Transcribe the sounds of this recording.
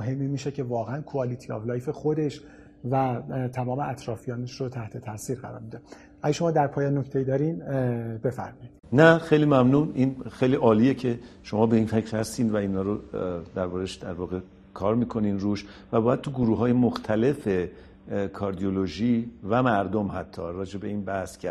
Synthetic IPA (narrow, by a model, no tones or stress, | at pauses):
oɦe̞mːiːmiːʃecʰe̞vɒːɣeænkʰoɒːlit̪ʰiɒ̰vlɒːjfe̞xo̞d̪e̞ʃ | væt̪ʰæmɒːmeæt̪ʰɾɒːfijɒːneʃɾot̪ʰæht̪ʰe̞t̪ʰæsiːɾɢæɾɒ̰ːɾmid̪e | ʔæɟeʃo̞mɒːd̪æɾpʰɒːjɒːnnoct̪ejiːd̪ɒːɾinbe̞fæ̰ɾmɒːjid̪̥næxe̞jliːmæmnuːniːnxejliːʔɒːliːjecʰe̞ʃo̞mɒːbe̞iːnfecʰɾhæst̪iːnd̪væiːnhɒːɾod̪æɾbɒːɾeʃd̪æɾvɒːɣe̞ | kʰɒːɾmiːkʰo̞niːnɾuːʃvæbɒːjæd̪̚t̪ʰuɡuɾuːɦɒːjemoxt̪ʰæle̞fe | kʰɒːɾd̪ioloʒiːvæmæɾd̪omhæt̪ʰːɒːɾɒːd͡ʒe̞be̞iːnbæhscʰæ